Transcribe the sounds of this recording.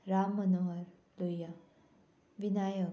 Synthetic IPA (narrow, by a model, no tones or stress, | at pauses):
ɾamːənoɦʌɾ | luja | ʋinajə